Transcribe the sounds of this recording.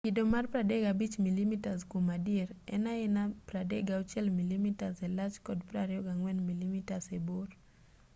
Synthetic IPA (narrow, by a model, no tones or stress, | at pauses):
ɡidɔmarpɾadɛɡabit͡ʃmilimitazkumadiɾɛ̰naɛnapɾadɛɡaut͡ʃɛlmilimitazɛlat͡ʃkɔdpɾaɾjɔɡaŋwɛnmilimitasɛboɾ